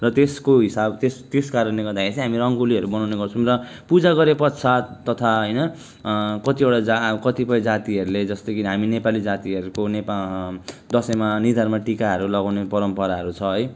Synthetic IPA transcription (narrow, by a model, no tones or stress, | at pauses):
rʌt̪eskoɦisabt̪est̪eskaɾʌnleɡʌrd̪akʰeɾisʰiɦamirʌŋɡoliɦʌɾubʌnawneɡʌrt͡sʰumrʌ | pud͡zaɡʌɾepʌt̪sʰat̪ːʌt̪ʰaɦʌjnʌ | kʌt̪ibeɽad͡zkʌt̪ipʌjd͡zat̪iɦʌɾuled͡zʌst̪ʌkiɦaminepalid͡zat̪iɦʌɾukonep | d̪ʌsʌmanird̪ʱarmʌʈikaɦʌɾulʌɡawnepʌɾʌmpʌɾaɦʌɾut͡sʰʌɦʌj